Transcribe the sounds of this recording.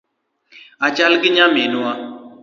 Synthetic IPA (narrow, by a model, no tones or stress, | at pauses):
at͡ʃalkɪɲaminua